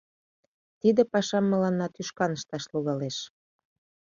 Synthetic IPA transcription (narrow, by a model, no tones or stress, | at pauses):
t̪id̪ĕpɑʃɑmːə̆lɑnːɑt̪yʃkɑnəʃt̪ɑʃluɣɑleʃ